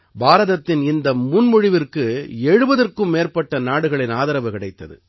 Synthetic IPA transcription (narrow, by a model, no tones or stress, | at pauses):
baːɾɐðɐt̪ːɪnɪnd̪ɐmʊnmʊɻɪʋɪrkɯɛɻɯbɐðɐrkɯmːeːrpɐʈːɐnaːɽɯɣɐɭɪnaːðɐɾɐʋɯkɪɽɐɪt̪ːɐðɯ̰